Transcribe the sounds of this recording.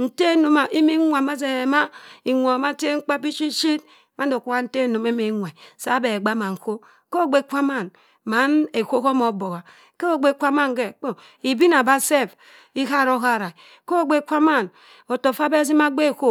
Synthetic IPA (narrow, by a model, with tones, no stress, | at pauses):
n̩˨te˦no˨ma˨ʔi˦mi˦ŋʷa˨ma˦z̬e˨ma˦i˨ŋʷo˨ma˦te˦ŋ͡m̩˦k͡pa˦pi˦t͡ʃi˦t͡ʃi˦t | ma˦n˦do˨kʷu˦a˦n̩˦te˦˨no˨me˦me˨˦ŋʷa˨sa˦be˨ɡ͡ba˦ma˨ŋ̩˨ko˦ | ko˦˨ɡ͡be˦˨˦kʷa˦ma˦˨n | ma˨˦ne˨ko˦ko˦mo˨˦bo˨ɣa˨ | ke˦o˦ɡ͡be˦˨˦kʷa˦ma˦ŋ˨ɡe˨k͡po˨ | i˨bi˦na˨ba˦se˦˨f | i˦ɦa˦ɾo˦ɦa˦˨ɾa˨ | ko˦˨ɡ͡be˦˨kʷa˦ma˦˨n | o˨to˨fa˦be˦s̬i˦ma˦ɡ͡be˦˨ko˦